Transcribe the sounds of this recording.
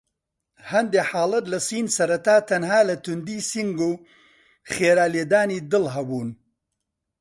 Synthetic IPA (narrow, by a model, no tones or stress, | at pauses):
hɐnd̪eːħaːlɐt̪lɐsiːnsɐɾɐt̪aːt̪ʰɐnɦaːlɐt̪ʊnd̪iːsiŋɡuː | χeːɾaːleːd̪aːniːd̪ɨlɦɐbuːn